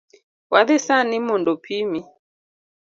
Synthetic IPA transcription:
waðɛsanimɔndɔpʰimi

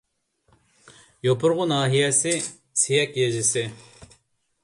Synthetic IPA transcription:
jopʰʊɾʁʊnɑːɦijɛsɪ | sijɛkʲjɛʒɪsɪ

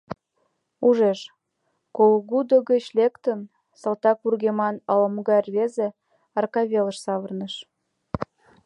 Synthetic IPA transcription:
uʒeʃ | kolɣud̪oɣət͡ɕlekt̪ən | səlt̪ɑk̚urɣemɑnɑləmɣɑrβeze | ɑrkɑβʲeləʃsɑβə̆rnəʃ

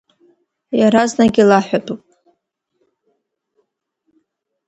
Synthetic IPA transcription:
jaɾaznaɡʲilaħʷᶣadʰʼupʼ

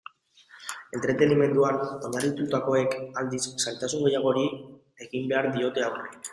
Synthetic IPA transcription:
e̞nt̪ɾe̞t̪e̞nime̞nd̪uano̞ɲarit̪ut̪ako̞e̞kald̪isːalt̪asuŋɡe̞jaɣ̞o̞ɾi | e̞ɣimbe̞aɾðio̞t̪e̞awre

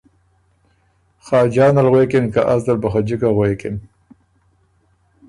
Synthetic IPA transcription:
xɑːd͡ʒɑːnalɣwekɪnkaʔasd̪albaxad͡ʒikaɣwekɪn

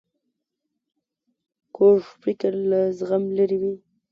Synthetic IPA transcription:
koʐpɾikaɾlazɣamlaɾiwi

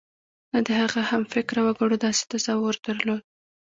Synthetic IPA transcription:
nad̪əhaɣahamfɪkɾawaɡaɽod̪ɑse̥t̪azɑwʊɾd̪̥əɾlod̪̚

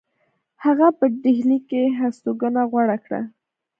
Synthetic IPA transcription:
haɣapəɖɪɦlikeɦast̪oɡənaɣwaɽakɽa̰

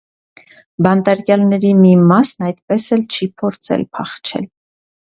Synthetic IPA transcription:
bɑnt̪ɑɾkjɑlnɛɾimimɑsnɑjt̪pɛsɛlt͡ʃʰipʰɔɾt͡sʰɛ̰lpʰɑχt͡ʃʰɛ̰l

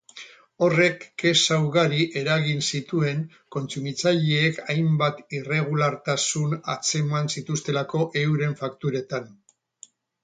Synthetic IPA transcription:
o̞re̞kːe̞sawɣaɾiʔe̞ɾaɣinsit̪ue̞ŋ | ko̞nt͡sumit͡saʎeːkajmbat̪ire̞ɣ̞ulaɾt̪asuna̰t͡se̞mansit̪ust̪e̞lako̞ʔe̞uɾe̞ɱfakt̪uɾe̞t̪an

